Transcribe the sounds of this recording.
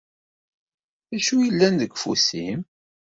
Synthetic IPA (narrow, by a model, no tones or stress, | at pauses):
ðæʃujəlːænðəɡfṵsim